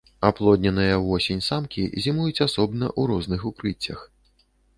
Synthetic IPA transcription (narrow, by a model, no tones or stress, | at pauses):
aplˠɔd̪ʲnʲɐnɨjɐvɔsʲenʲsamkʲizʲimujut͡sʲasɔbnɐ̰ʔuɾɔznɨxukɾɨt͡sʲːɐ̰x